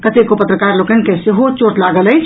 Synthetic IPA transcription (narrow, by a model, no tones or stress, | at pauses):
kət̪ekopət̪ɾəkaɾlokənkeseɦot͡ʃoʈlaɡəlɛjt͡ʃʰ